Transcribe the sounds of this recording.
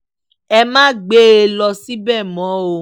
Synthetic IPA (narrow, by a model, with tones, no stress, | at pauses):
ɛ˧mãː˦ɡ͡be˦e˧lɔ˧si˦bɛ˦˨mɔ̃˨˦o˧